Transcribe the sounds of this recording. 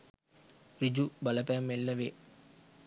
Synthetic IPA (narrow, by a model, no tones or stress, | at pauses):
rid͡ʒubɐləpæmːelːəʋe